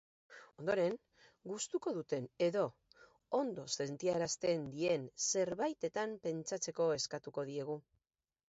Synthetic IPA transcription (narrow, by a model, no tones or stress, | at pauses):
o̞nd̪o̞ɾe̞ŋ | ɡust̪uko̞ðut̪e̞neðo̞ | ond̪ose̞nt̪iaeɾast̪e̞nd̪ie̞nse̞ɾβajt̪e̞t̪ampe̞nt͡ʃat͡se̞ko̞e̞skat̪uko̞ð̞ie̞ɣu